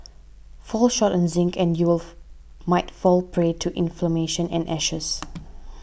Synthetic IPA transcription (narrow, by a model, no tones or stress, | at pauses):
fɔlʃɔtɛ̃nzɪ̃ŋkʰɛ̃njul | maɪtfɔlˠpʰɹetʰuʔɪ̃nfləmeʃə̃nɛ̃nʔɛʃəs